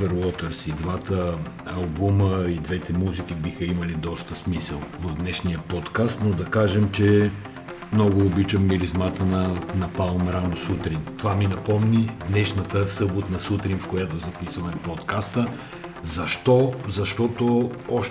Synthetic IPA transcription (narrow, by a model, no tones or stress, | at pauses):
ɛɾlˠɔt̪ɛɾsid̪vat̪əː | ɐlˠbuməid̪vɛt̪ɛmuzik̟ibixəimɐlid̪ɔst̪əsmisəlˠvɐvd̪nɛʃnijəpɔt̪kast̪nod̪ɐkaʒɛmt͡ʃɛ | mnɔɡʊːbit͡ʃɐmːiɾizmat̪ənɐnɐpavɐmɾanosut̪ɾint̪ovaminɐpɔmnid̪nɛʃnɐt̪əsɤbot̪nɐsut̪ɾinfkojat̪ozɐpisvɐmɛpɔt̪kast̪ə | zɐʃt̪ɔzɐʃt̪ɔt̪oɔʃ